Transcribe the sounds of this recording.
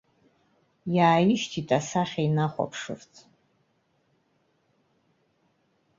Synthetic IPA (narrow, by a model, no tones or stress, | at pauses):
jaːjɪʃtʰitʼasaχʲajnaχʷa̰pʰʂɨ̰rt͡sʰ